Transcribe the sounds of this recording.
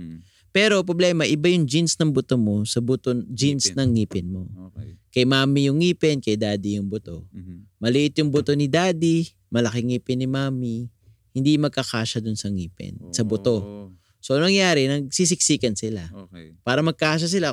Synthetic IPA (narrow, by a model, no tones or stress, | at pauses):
pɛːɾo̞pɾoblɛːmɐʔɪbajʊŋd͡ʒinsnɐŋbʊt̪omo̞sɐbʊt̪od͡ʒinsnɐŋːiːpɪnmo̞kɐjmaːmijʊŋːiːpɛnkɐjd̪aːd̪ijʊŋbʊt̪o̞̰mɐlɪʔɪt̪jʊŋbʊt̪o̞nɪd̪aːd̪i | mɐlɐkɪŋːiːpɪnːɪmaːmi | hɪnd̪imɐɡ̚kɐkaːʃɐd̪ʊnsɐŋiːpɛ̰nsɐbʊt̪o̞ | so̞nɐŋjaːɾɛnɐɡ̚sis̬ɪk̚siːkɐnsɪlapaːɾɐmɐɡ̚kɐaːʃ̬ɐs̬ɪla